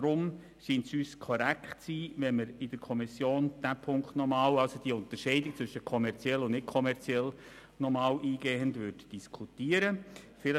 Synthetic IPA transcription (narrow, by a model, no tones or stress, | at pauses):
dɾʊm | ʃiːnsyːskʰɔɾækχtsiːvɛnməɾɪd̥əɾkʰɔmisjoːnd̥æpʰʊŋkχtnɔmɑːlɑlsod̥iəʊnt̪əɾʃɛɪdɪk̚t͡sʋʏʃəkʰɔmɛɾt͡sjɛlːʊnnɪtkʰɔmɛɾt͡siɛl | nɔmɑːlʔiːɡeːəndʋʏɾdd̥iskʰutiːəɾə | fɪlə